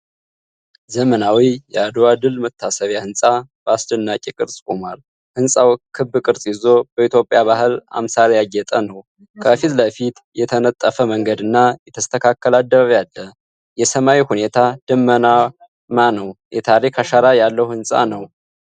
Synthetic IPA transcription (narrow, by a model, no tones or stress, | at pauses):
zəmənawijɛad̪oad̪ɨlmət̪ʰːasəβjahɨnsʼab̥əasd̪ənːakʼikʼɨɾsʼkʼomal | hɨnsʼawkʰɨbːɨkʼɨɾsʼjizo̞b̥əit̪ʰjo̞pʼjaβahɨla̰msaɾjaɡɛt̪ʼənəw | kʰəfit̪ləfit̪jɛt̪ʰənət̪ʼːəfəməŋɡəd̪ɨnːajɛt̪ʰəst̪ʰəkʰakʰːəlad̪ːəβaβjalːə | jɛsəmawihune̞t̪ʰad̪̥ɨmːəna | manəwjʔɛt̪ʰaɾikʰaʃaɾajalːəhuhɨnsʼa̰nəw